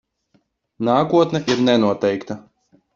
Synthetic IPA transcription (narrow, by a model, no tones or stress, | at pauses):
naːkuɔt̪nɛʔiɾnɛnuɔt̪ɛjkt̪a